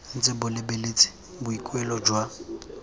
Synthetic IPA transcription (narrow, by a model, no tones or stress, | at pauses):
n̩t͡sʼɪbʊlɪbelet͡sʼi̥ | bʊikʼwɛlɔd͡ʒwa